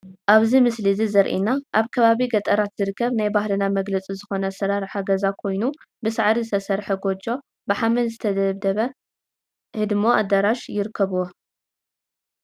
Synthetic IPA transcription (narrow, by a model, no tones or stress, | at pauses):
ʔaβzimɨslizizɐɾʔḭnaʔaβkʰɐβaβiɡɐt̪ʼɐɾat̪z̥ɨɾɨkʰːɐβnajbaɦlɨnamɐɡlɐt͡sʼizɨxo̞nɐsɐɾaɾħaɡɐzakʰo̞jnu | bɨsaʕɾizɨt̪ʰɐsɐɾħɐɡo̞d͡ʒo̞ | bɨħamɐnzɨt̪ʰɐd̪ɐβd̪ɐβɐ | hɨd̪mo̞ʔad̪ɐɾaʃjɪɾɨkʰːɐβuwo